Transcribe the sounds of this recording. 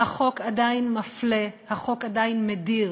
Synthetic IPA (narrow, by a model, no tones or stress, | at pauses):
haχo̞kadajnmaflehaχo̞kad̪ajnmediʁ